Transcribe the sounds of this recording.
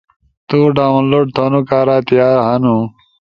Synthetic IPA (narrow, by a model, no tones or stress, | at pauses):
t̪uɖaːwnloːɖ̚t̪ʰonukaːɾaːt̪ijaːɾɦɐnu